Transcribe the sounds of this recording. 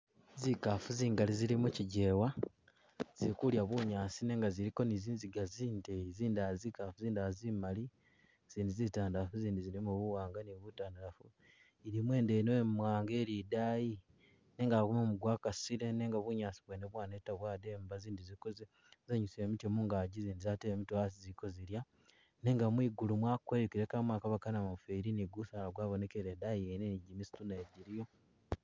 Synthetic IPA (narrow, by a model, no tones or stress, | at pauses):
zikafuziːŋɡalizilimuciɟe̞ːwa | z̥iikuljaβuɲaːsine̞ːŋɡaziɾiko̞niziːnziɡaziːndeiziːndazikafuziːndazimali | z̥iːndizitaːndaafuziːndiziɾimuβuwaːŋɡaniβutaːndaafu | iɾimwe̞ːndenwemwaːŋɡe̞ːlidaji | ne̞ːŋɡakumomuɡwaːkasiɾe̞neŋɡaβuɲaːsiβweneβwaːnetaβwaːdeːmbaziːndizikoze | zaɲusiemit͡ʃemuŋɡaːɟiziːndizateβemitwas̬iziko̞ziɾja | ne̞ŋɡamwiːɡulumwakkweɾekiɾekamwaːkaβakanamafeɾiniɡusalaɡwaːβo̞ne̞keɾedajieneniɟimisi̥tuneɟiɾijo